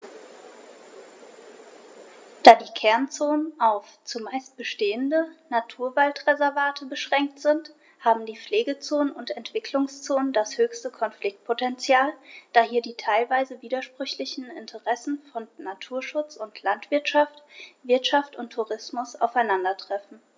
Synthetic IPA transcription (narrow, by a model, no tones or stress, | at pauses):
d̥aːdiːkʰɛɐnt͡soːnənʔaʊft͡sumaɪst̚b̥əʃteːəndənatʰuːɐvaltʁɛzɛɐvaːtʰəbəʃʁ̥ɛŋk̚tz̥ɪnt | haːbm̩diːp͡fleːɡət͡soːnənʊntɛntv̥ɪkʰlʊŋst͡soːnəndashøːçstəkʰɔnflɪk̚t̚pʰotɛnt͡sjaːld̥aːhiːɐdiːtʰaɪlvaɪzəviːdɐʃpʁ̥ʏçlɪçn̩ɪ̰ntʰəʁɛsn̩fɔnnatʰuːɐʃʊt͡sʊntʰlantv̥ɪɐtʃaftv̥ɪɐtʃaftʊntʰːuʁɪsmʊsa̰ʊfaɪnandɐtʁ̥ɛfn̩